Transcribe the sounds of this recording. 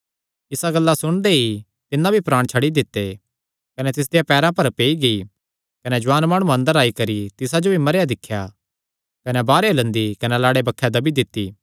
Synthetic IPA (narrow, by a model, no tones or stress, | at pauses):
ɪsaɡɐlːasʊɽ̃d̪ei | t̪ɪnːãbʱipɾaːɽ̃t͡ʃʰɐɽid̪ɪt̪ːe | kɐnɛt̪ɪs̬d̪ejapɛːɾãpɐɾpeːiɡɐi | kɐnɛd͡ʒʊʋaːnmaːɽ̃ũɐ̃nd̪əɾaːikɐɾit̪ɪsad͡ʒobʱimɐɾjad̪ɪkʰːja | kɐnɛbaːɾelɐ̃nd̪ikɐnɛlaːɽebɐkʰːed̪ɐbid̪ɪt̪ːiː